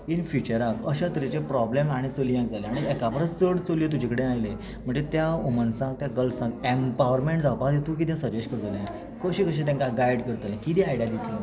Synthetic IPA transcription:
infit͡ɕəɾakəɕat̪ɾit͡ɕepɾɔblemaɽ̃it͡solijãkd͡zaleaɽ̃iɛkapəɾət͡st͡səɽt͡soliet̪̬ud͡ʑikəɽẽajle | m̤əɳd͡zet̪jaumənsãk̚t̪jaɡəlsãkempaʋəɾmẽɳʈd͡zapad̪et̪ũːk̬it̪jãsəd͡ʑeɕkəɾt̪əlẽ | kəɕikəɕ̬ẽt̪ãŋkaɡajɽkəɾt̪əlɛ̃kit̪̬ĩajɽjad̪it̪lə

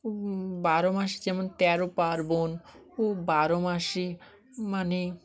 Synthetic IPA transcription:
obaɾomaʃ̬id͡ʑɛmont̪ɛɾopaɾbon | obaɾomaʃe | mane

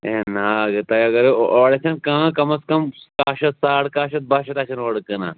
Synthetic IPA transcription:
eːnaɐɡɨt̪ɐjɐɡɐɾoːɽesʰɐnkãːkɐmɐskɐmkaːʃɐt̪saːɽkaːʃɐt̪̚baːʃɐt̪aːt͡ʃʰɐnoːɽkɨna̰ː

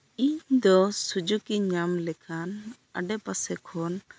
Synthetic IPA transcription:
iɲd̪ɔsud͡ʒukiɲamlɛkʰan | a̰ɖɛpasɛkʰɔn

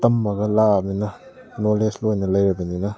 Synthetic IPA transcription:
tɐmːɐɡɐlaminɐ | noleslojnɐlɐjɾɐbɐninɐ

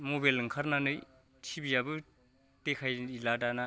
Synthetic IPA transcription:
mobalɯŋkʰaɾnanɯj | tʰibijabɯ | tekʰajiladana

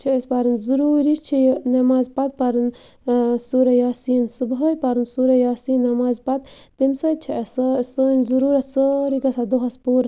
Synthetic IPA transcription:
t͡ʃʰiespaɾɐnzuɾuɾit͡ʃʰijnɐmaːzpɐt̪̚pɐɾɨn | suɾɐjaːsinsubɦəjpɐɾɨnsuɾɐjaːsinːɐmaːzpɐt̪̚ | t̪imsɐt͡ʃʰissənzuɾuɾɐt̪səɾiɡɐsʰad̪oɦɐspuɾ

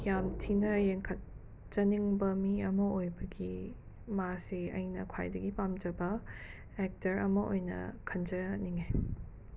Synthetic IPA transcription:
jamtʰinɐjeŋkʰɐt̚ | t͡ʃɐniŋbɐmiɐmɐojbɐɡi | maseɐ̰jnɐkʰwa̰jdɐɡipamd͡ʒɐbɐ | ɛk̚tɐɾɐ̰mɐʔo̰jnɐ̰kʰɐnd͡ʒɐniŋe

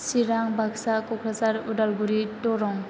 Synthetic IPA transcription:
siɾaŋbʱaksakɔkʰɾasaɾudalɡuɾitɔɾɔŋ

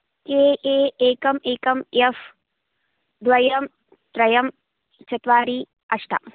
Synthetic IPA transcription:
keːʔeːeːkɐmeːkɐmef | d̪ʋɐjɐm | t̪ɾɐjɐm | t͡ʃɐt̪ʋaːɾi | ɐʂʈɐ̰

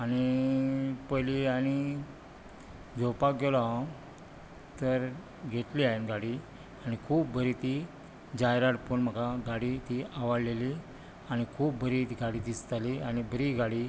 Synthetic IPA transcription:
aɽ̃i | pəjliañi | d͡zopakɡelɔɦ | t̪əɾ | ɡʱeʈliaenɡaɽi | añikʰuːbbəɾit̪i | d͡ʑajɾaɽpəɳm̤əkaɡaɽit̪iaʋəɽleli | añikʰuːbːəɾiɡaɽid̪ist̪aliañibəɾiɡaɽi

